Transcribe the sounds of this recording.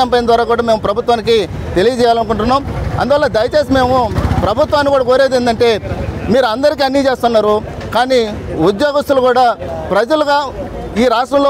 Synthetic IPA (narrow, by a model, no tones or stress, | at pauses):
ɐmpɐjind̪ʋaːɾaːkuːɽaːme̞ːmupɾɐbʱut̪ʋaːniki | t̪e̞lijɐd͡ʒɛːjaːlɐnkuɳʈunːaːmɐ̰nd̪uʋɐlːɐd̪ɐjɐt͡ʃeːs̬ime̞ːmupɾɐbʱut̪ʋaːnːikuːɽaːkoːɾeːd̪end̪ɐɳʈe̞ːmiːɾuɐnd̪ɐɾik̬iɐnːit͡ʃe̞ːst̪unːaːɾu | kaːniːud̪joːɡɐst̪ulukuːɽaːpɾɐd͡ʒɐluɡaː | iːɾaːʂʈɐmloː